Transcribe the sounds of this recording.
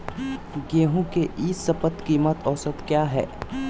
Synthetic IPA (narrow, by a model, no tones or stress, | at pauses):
ɡeːɦũkeʔiːsəpət̪kiːmət̪ʰɔːsət̪kjaːɦɛ̰ː